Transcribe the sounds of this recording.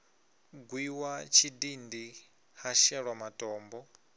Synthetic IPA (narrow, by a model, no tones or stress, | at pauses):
ɡwiwat͡ʃʰidindi | haʃɛɺwamatʼɔːmbɔ